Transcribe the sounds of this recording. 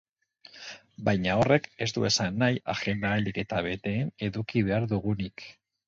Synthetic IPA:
bajɲao̞re̞ke̞st̪ue̞sanːajaxe̞nd̪aːld̪ike̞t̪aβ̞e̞t̪e̞ːne̞ðukiβe̞aɾðuɣunik

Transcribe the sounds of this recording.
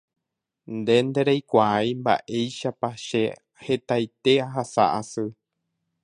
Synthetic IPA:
nd̪e̞nd̪e̞ɾejkʷaajmba̰ʔe̞jʃapaʃe̞ | he̞t̪ajt̪e̞aɦasa̰ʔasɨ

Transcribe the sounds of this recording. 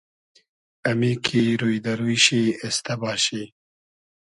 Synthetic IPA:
ɐmikʰiɾujd̪ɐɾuiɕiest̪ɐbɑːɕi

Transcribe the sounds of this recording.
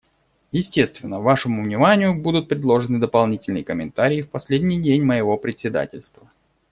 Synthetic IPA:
jɪsʲtʲe̞st̪vʲɪnːəvaʂəmʊvnʲɪmanʲɪjʊbud̪ʊt̪̚pɾʲɪd̪lˠo̞ʐɨnɨd̪əpɐlˠnʲitʲɪlʲnɨjəkəmʲɪ̰nt̪aɾʲɪːfpɐsʲlʲedʲnʲijdʲenʲməjɪvo̞pɾʲɪtʲsʲɪd̪a̰tʲɪlʲst̪və

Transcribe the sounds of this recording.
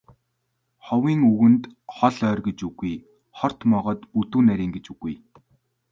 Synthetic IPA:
χɔwiːŋɵɣɘ̆nt̪χɔɮœːrɡet͡ɕuɣuj | χɔr̥t̪mɔʁɔːt̪put̪uːnæɾʲiːŋɡet͡ɕuɣuj

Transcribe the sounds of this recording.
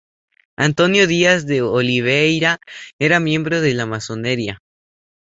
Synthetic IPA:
a̰nt̪o̞njo̞ðiazðe̞oliβ̞ejɾaeɾamje̞mbɾoðe̞lamaso̞neɾja

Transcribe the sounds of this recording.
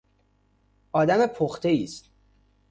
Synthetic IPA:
ɒːd̪æmepʰoxt̪ʰe̞iːst̪

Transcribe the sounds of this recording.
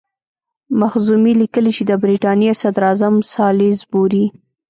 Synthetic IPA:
maxzumilikəlit͡ʃed̪əbɾiʈɑnjesad̪ɾɑzamsɑlizbuɾi

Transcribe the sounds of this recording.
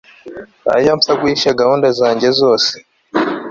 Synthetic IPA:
a̰jamfaɡwiʃaɡahuːndezaːɲɟezoːse̥

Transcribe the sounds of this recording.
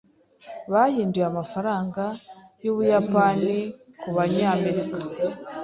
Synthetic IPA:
βahiːndujamafaɾaːŋɡajoβujapani | kuβaɲaːme̞ɾika

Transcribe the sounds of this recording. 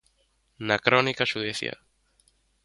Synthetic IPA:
nakɾonikaʃuðeθj̰a̰

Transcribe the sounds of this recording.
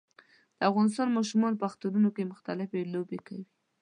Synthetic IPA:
d̪̥əafɣɑnɪs̬t̪ɑnmɑʃ̬umɑnpəaxt̪aɾunokemʊxt̪alɪfelobekawi

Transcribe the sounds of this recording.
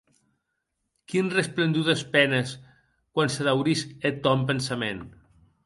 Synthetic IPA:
kinresplend̪uðespɛnəs | kwansəðawɾiset̪ɔmp̬ensamḛn

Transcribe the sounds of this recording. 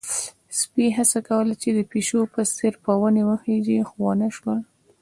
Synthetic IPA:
spiɦasakawəlat͡ʃed̪əpeʃopəsɪɾpɑwənewəhed͡ʒixwɑnaʃwal

